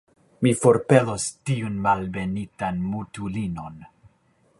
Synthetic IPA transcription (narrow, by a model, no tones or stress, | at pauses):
mifo̞ɾpe̞lostiunmalve̞nitanmutulino̞n